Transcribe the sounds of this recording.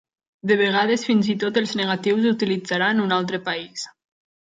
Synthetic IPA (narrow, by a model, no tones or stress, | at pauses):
d̪əβeɣ̞að̞esfinzit̪ot̪elˠzneɣat̪iwzut̪ilid͡zaɾanunalˠt̪ɾəpais